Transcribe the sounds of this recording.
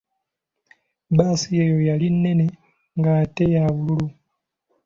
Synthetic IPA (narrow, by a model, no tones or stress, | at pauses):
basije̞ːjo̞jalinːe̞ne̞ | ŋɡate̞jaβululu